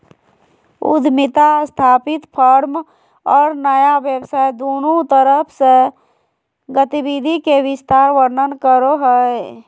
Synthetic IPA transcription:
ʊ̰d̪ʱmɪt̪ast̪ʰaːpɪt̪pʰəɾm | ɔːɾnəjaʋjəbsaːjd̪oːnõt̪əɾəpʰse | ɡət̪ibid̪ʱikeʋɪst̪aːɾʋəɾnənkəɾoɦəe

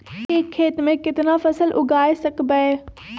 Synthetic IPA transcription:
eːkʰːeːt̪mẽkɪt̪nafɐsəlʔʊɡʱaːesɐkbəe

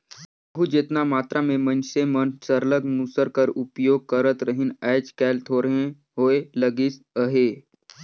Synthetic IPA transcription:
bəɦud͡ʒeːt̪namaːt̪ɾʔamẽmənsemənsəɾləɡmusəɾkəɾupjoːɡ̚kəɾət̪ɾəɦinɛːt͡ʃkɛːlt̪ʰoɾɦẽ | ɦoːeləɡis | əɦe

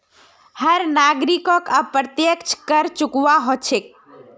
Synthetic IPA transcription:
həɾnaɡɾikɔkəpɾət̪jəkt͡ʃʰkəɾt͡ʃukʋaɦot͡ʃʰek̚

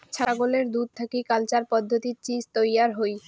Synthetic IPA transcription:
t͡ɕʰaɡoleɾd̪ud̪̚t̪ʰakikalt͡ɕaɾpɔd̪ʱːot̪iɾt͡ɕid͡ʑt̪ojaɾɦoj

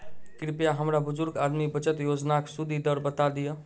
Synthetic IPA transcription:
kɾipjaɦəmɾabʊd͡ʒʊɾɡad̪mibət͡ʃət̪jod͡ʒnaksud̪ʱid̪əɾbət̪ad̪ijə

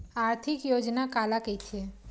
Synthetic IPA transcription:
aːɾt̪ʰikjod͡ʒnakalakəit͡ʃʰe

